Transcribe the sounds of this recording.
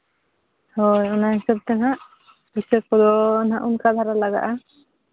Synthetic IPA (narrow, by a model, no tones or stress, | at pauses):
hɔjɔnaɦɛsəb̚t̪ɛnɦaʔ | kisək̚kɔd̪ɔnaʔunkad̪ʱaɾalaɡa̰ʔa